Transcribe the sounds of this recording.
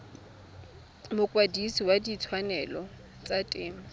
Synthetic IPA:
mʊkʼwadisiwadit͡sʰwanɛlɔ | t͡sʼatʼɪːma

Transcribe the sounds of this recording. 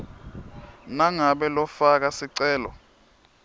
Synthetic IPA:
naŋaɓɛlɔfak̬asiǀɛːlɔ̰

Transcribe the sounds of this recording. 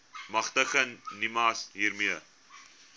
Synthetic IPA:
mɐχtəxənːimɑːsɦiːɾmiə

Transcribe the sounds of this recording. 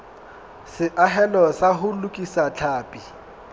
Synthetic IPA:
sɪʔaɦɛlɔsaɦʊlʊkʼisat͡ɬʰaːpʼi

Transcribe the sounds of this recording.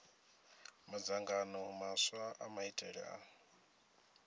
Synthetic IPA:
mad͡zaŋɡanɔmaswaʔamaitʼɛɺɛ̰ʔa̰

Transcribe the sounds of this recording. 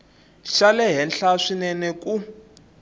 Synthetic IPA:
ʃalɛɦɛnɬaʂinɛnɛku

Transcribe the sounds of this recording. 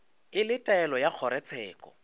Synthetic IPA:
ɪlɪtʼaɛlɔjak͡xʰɔɾɛt͡sʰɛːkʼɔ̰

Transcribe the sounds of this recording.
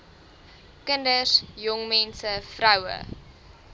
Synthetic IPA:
kəndəsjɔŋmɛnsəfrɐwə̰

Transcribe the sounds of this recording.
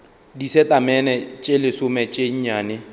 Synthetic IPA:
disɛtʼamɛnɛt͡ʃʼelɪsʊmɛt͡ʃʼeɲ̩ɲaːnɪ

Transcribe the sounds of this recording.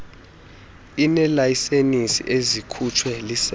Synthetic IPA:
inɛlajisenisḭʔezikʰut͡ʃʰwɛlis

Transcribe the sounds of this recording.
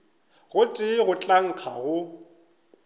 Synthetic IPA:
ɣʊtʼɪɣʊt͡ɬʼaŋ̩kʰaɣʊ

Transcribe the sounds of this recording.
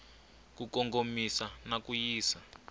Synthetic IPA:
kukɔŋɡomisanakujiːsa

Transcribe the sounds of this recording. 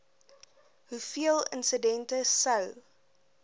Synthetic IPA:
ɦufiəlˠə̰nsədɛntəsəw

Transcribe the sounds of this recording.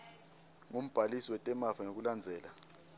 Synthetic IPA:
ŋom̩b̥ʱalisiwɛtʼɛmafanok̬uland͡zʱɛːla

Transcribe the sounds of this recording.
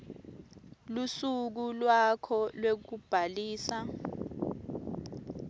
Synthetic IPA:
lusuk̬ulwakʰɔlwek̬ub̥ʱaliːsa

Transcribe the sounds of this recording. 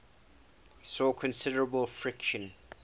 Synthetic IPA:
sɔkʰə̃nsɪdəɹəbəlˠfɹɪkʃə̃n

